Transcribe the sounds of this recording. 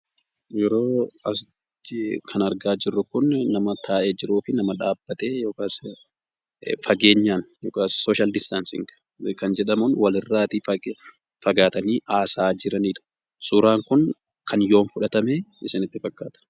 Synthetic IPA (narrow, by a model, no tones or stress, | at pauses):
jɛɾo̞ːɐs | kʰɐnɐɾɡaːd͡ʒɪrːʊkʊnnɐmɐt̪ʰaːʔed͡ʒɪɾuːfɪnɐmɐᶑaːbːɐt̪eːjo̞ːkaːs | fɐɡe̞ːɲːaːnjoːkaːsːoːʃald̪ɪst̪ansɪ̰ŋɡ | kɐnd͡ʒɛᶑɐmʊnwɐlɪrːaːt̪iː | fɐɡaːt̪ɐniːʔaːsaːd͡ʒɪɾɐniːᶑ̪ʊ̥ | sʊɾaːŋkʊŋ | kʰɐnjo̞ːnfʊᶑɐt̪ɐmeːɪsɪnɪt̪ːɪfɐkːaːt̪ɐ̥